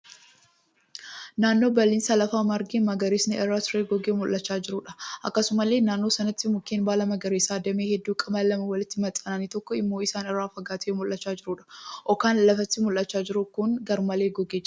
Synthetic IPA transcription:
naːnːo̞ːbɐlːɪːnsɐlɐfaːmɐɾɡimɐɡɐɾeːsnɪɛrːaːt̪ɾeːɡɔɡeːmʊlʔːɐt͡ʃːaːd͡ʒɪɾuːᶑɐ̥ʔɐkːɐsʊmɐlːeːnaːnːoːsɐnɐt̪ːɪmʊkːeːnbaːlɐmɐɡɐɾeːsaːd̪ɐmeːhɛd̪ːuːkʼɐmɐlːɐmɐwɐlɪt̪ːɪmɐt̪ʼɐnanit̪ɔkːɔɪmːo̞ːɪsaːnɪrːaːfɐɡaːt̪ʰeːmʊlʔɐt͡ʃːaːd͡ʒɪɾuːᶑɐ̥ʔɔkaːnlɐfɐt̪ːɪmʊlːɐt͡ʃːaːd͡ʒɪɾʊkʊŋɡɐɾmɐleːɡɔɡeː

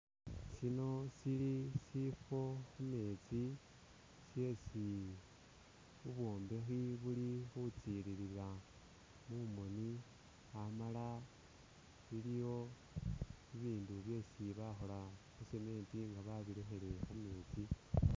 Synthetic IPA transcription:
sino̞silisifo̞xume̞t͡si | sje̞ːsi | uβwo̞ːmbe̞xiβulixut͡siɾiɾila | mumo̞ni | amala | βilijo̞ | iβiːnduβje̞ːsiβaxo̞laxuseme̞ːntiŋɡaβaβilexe̞le̞xume̞ːt͡si

